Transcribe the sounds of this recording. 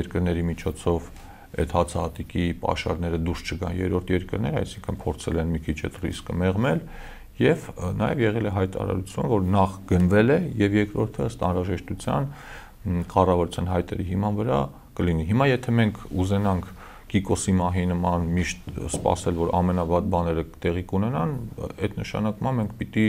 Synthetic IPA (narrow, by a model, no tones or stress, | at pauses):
ɛɾkəɾnɛɾimit͡ʃʰɔt͡sʰɔv | ɛ̰t̪hɑt͡sʰɑɦɑt̪ikipɑ̰ʃɑ̰ɾnɛɾəd̪uɾst͡ʃʰəɡɑ̰njɛ̰ɾɔɾt̪ʰjɛɾkəɾnɛɾəɑ̰jsiŋkʰənpʰɔɾt͡sʰɛ̰lɛnmikʰit͡ʃʰɛ̰t̪rḭskəmɛʁmɛl | jɛvnɑjɛ̰vjɛʁɛlɛɦɑjt̪ɑ̰ɾɑ̰ɾut͡sʰjunvɔɾnɑχɡ̥ənvɛlɛjɛvjɛkɾɔɾt̪ʰəəst̪ɑ̰nɾɑʒɛʃt̪ut͡sʰjɑ̰n | kɑrɑvɑɾut͡sʰjɑnɦɑjt̪ɛ̰ɾiɦimɑnvəɾɑ̰ | kəliniɦimɑjɛt̪ʰɛmɛŋkʰuzɛnɑŋkʰ | kːikɔsimɑɦinəmɑnmiʃt̪spɑ̰sɛlvɔɾɑ̰mɛnɑvɑt̪̚bɑnɛɾət̪ɛʁikunɛnɑnɛt̪nəʃɑ̰nɑkmɑnmɛŋkʰpit̪i